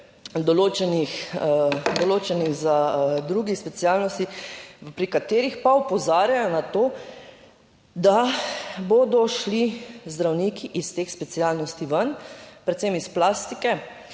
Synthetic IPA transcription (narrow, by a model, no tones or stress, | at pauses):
d̪ɔloːt͡ʃɛnix | d̪ɔloːt͡ʃɛniɣzad̪ɾuɡixspɛt̪sialnɔst̪ipɾikat̪eːɾixpaɔpɔzaːɾjajɔnat̪oː | d̪aboːd̪ɔʃlizd̪ɾawniːkʰiʔist̪eːxspɛt̪sialnɔst̪iʋənpɾɛt̪semisplaːst̪ikɛ